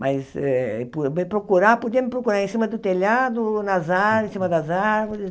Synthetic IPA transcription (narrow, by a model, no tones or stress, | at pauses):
mʔasɛpubepɾokuɾapud̪empɾokuɾaɾẽnsimɐd̪ʊt̪eʎad̪ʊnazaɾẽsimɐd̪ɐzaɾvoɾɪs